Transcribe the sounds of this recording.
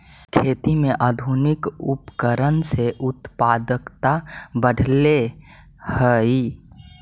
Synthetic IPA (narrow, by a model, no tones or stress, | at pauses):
kʰeːt̪imẽʔaːd̪ʱunɪkʊpkəɾənseʔʊt̪paːd̪əkt̪abəɖʱle | həi